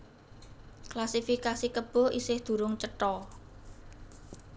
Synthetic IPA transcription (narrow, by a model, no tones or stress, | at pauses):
klasifikasikəb̥ɔ̤isɪhd̪̥ṳɾʊŋt͡ʃəʈɔ